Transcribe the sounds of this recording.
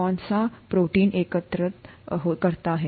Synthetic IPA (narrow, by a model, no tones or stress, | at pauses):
ãnsapɾoʈiːnʔekət̪ɾət̪ɦokəɾt̪aːɦe